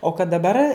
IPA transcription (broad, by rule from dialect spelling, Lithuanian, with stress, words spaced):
oː kɐt dɐˈbɐr